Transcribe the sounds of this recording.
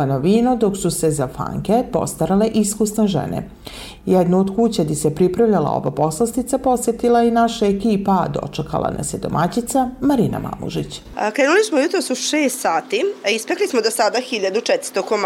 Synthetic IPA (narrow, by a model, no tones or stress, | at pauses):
anoʋiːnod̪o̞ksuse̞zafa̰ŋkepo̞̰st̪aɾale̞ʔiskusneʒḛnḛ | jɛd̪nuod̪kut͡ɕad̪isepɾipɾaʋʎalˠa̰o̰ʋa̰po̞slˠast̪it̪sapo̞sjet̪ilainaʃaekiːpad̪o̞̰t͡ʂeka̰lˠʔa̰na̰sed̪o̰mʔat͡ɕit̪samaɾiːna̰mʔa̰mṵʒit͡ɕ | kɾenulismojut̪ɾosuʃeːst̪saːt̪iispeklismod̪osad̪axiʎad̪ut͡ʃɛt̪ɾ̥st̪okom